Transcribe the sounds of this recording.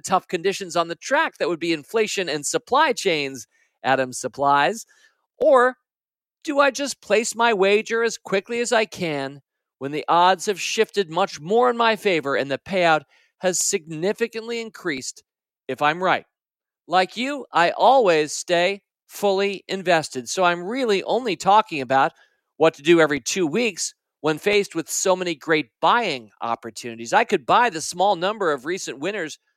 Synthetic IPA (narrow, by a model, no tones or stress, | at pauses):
tʰʌfkʰɨ̃ndɪʃɨ̃n̩zn̩ðɨtʰɹ̥æk̚ðɨt̚wəd̚biɨ̃ɱfleɪʃɨ̃nɨ̃nsəpʰl̥aɪt͡ʃʰẽɪ̃nz | ʔæɾɨ̃m̥səpʰl̥aɪz | ʔə˞ | d̥ɨaɪd͡ʒʌspʰl̥eɪsmaɪweɪd͡ʒə˞ɨz̥kʰw̥ɪkliɨzaɪkʰɨ̃n | wə̃nðiʔɑdz̥hɨv̥ʃɪftɨd̚mʌt͡ʃmɔɹɨ̃nmaɪfeɪvə˞ɨ̃nðɨpʰeɪaʊt̚ | hɨz̥sɨɡ̚nɪfɨkɨ̃nʔliɨ̃nkʰɹ̥ist | ɨfãɪ̃mɹaɪt̚ | laɪkjɨʔaɪʔɔlˠwiz̥steɪ | fʊlˠiɨ̃ɱvɛstɨd̥soʊãɪ̃mɹɪlˠiʔõ̰ʊ̃nlitʰɔkɪ̃ŋɨbaʊt̚ | wʌtʰɨdɨɛvɹitʰʉwiks | wə̃nfeɪst̚wɨð̥soʊmɛniɡɹeɪt̚b̥aɪɪ̃ŋɑ̰pə˞tʰʉnɨɾizaɪkɨd̚baɪðɨsmɔlˠnʌ̃mbə˞ʌvɹisɨ̃nʔwɪ̃ɾ̃ə˞z̥